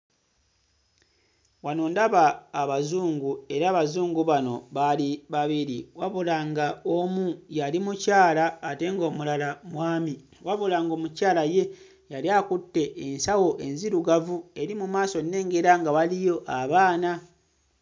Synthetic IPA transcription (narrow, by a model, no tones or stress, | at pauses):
wanoːndaβaːβazuːŋɡue̞ɾaːβazuːŋɡuβano̞βaliβaβiɾiwaβulaŋɡaomujalimucaːlaːte̞ŋɡo̞ːmulalamwaːmi | waβulaŋɡo̞ːmucaːlaje̞ | jaljakutːe̞ʔːnsawo̞ʔe̞nziɾuɡavue̞ɾimumaːso̞nːe̞ːŋɡe̞ɾaŋɡaβalijo̞ʔaβaːna